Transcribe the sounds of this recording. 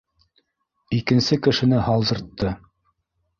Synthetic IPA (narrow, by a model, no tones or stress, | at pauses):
ikɘ̆nsɘkɘ̆ʃɘ̆nɘhɑlˠd̪ɤ̆ɾt̪ːɤ